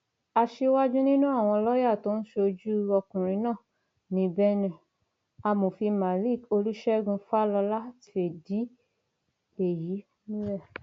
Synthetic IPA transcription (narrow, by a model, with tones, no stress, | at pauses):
a˧ʃe˧wa˦d͡ʒũ˦nĩ˦nũ˦a˦˨w̃ɔ̃˧lɔ˦ja˦˨to˦ñ̩˦ʃo˧d͡ʒu˦ɔ˧kũ˨ɾ̃ĩ˧˦nãː˦˨ | nĩ˧˦bɛ˦nɛ̃˦˨ | a˧mo˨fi˧ma˨li˦˨ko˧lu˦ʃɛ˦ɡũ˧fa˦lɔ˧la˦ti˧e˨di˨˦ | e˨ji˨˦nĩ˦lɛ˦˨